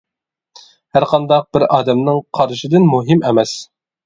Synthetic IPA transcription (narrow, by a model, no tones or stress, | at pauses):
hæɾqʰɑnd̪ɑq̚b̥ɪɾɑːd̪ɛmnɨŋqʰɑɾʃɨd̪ɨnmuɦimemɛs